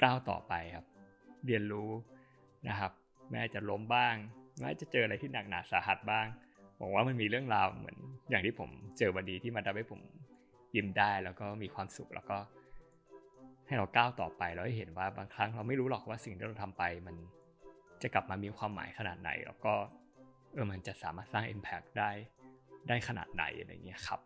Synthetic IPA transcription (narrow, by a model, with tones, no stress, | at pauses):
klaː˥˩wt̪ɔ̰ː˨˩pa˧jkʰa˦˥p̚ | ɾi˧ənɾuː˦˥ | na̰˦kʰa˦˥p̚ | ma˥˩ʔaː˨˩t̚t͡ɕa˨˩lo˦˥mbaː˥˩ŋma˦˥a˥˩t͡ɕa˨˩t͡ɕɤː˧a˧a˧jt̪ʰiː˥˩na˨˩k̚naː˨˩˦saː˩˦ɦa˨˩t̪̚baː˥˩ŋ | bɔ̰ː˨˩˦k̚waː˥˩ma˧nmiː˧ɾɯ˥˩əŋɾaː˧wmɯ̰˩˦ənjaː˨˩ŋt̪ʰiː˥˩pʰo˩˦mt͡ɕɤː˧ba˧ndiː˧t̪ʰi˥˩ma˧t̪a˧˩ha˥˩pʰo˩˦m | ji˧˩mdaː˥˩jlɛː˦˥wkɔː˥˩miː˧kʰwaː˧msu˨˩k̚lɛ̰ː˦˥wkɔː˥˩ | ha˥˩jɾa˧wkaː˥˩wt̪ɔ̰ː˨˩pa˧jlɛ˧˦˥wha˥˩jɦe˩˦nwaː˥˩baː˧ŋkʰɾa˦˥ŋɾa˧wma˥˩jɾuː˦˥lɔ˨˩k̚waː˥˩si˨˩ŋt̪ʰiː˥˩ɾa˧wt̪ʰa˧mpa˧jma˧n | t͡ɕa˨˩kla˨˩p̚maː˧miː˧kʰwaː˧mːa̰ː˩˦jxʰa˧na̰ː˨˩t̪̚na̰˩˦jlɛ̰ː˦˥wkɔː˥˩ | ʔɤː˧ma˧nt͡ɕa˨˩sa̰ː˨˦maː˥˩t̪̚saː˥˩ŋʔḛ˧mpʰɛ˦˥k̚daː˥˩jdaː˥˩jxʰa˧na̰ː˨˩t̪̚na̰˨˩˦jʔa̰˧la̰˧ŋi˦˥ɐ˨kʰa˦˥p̚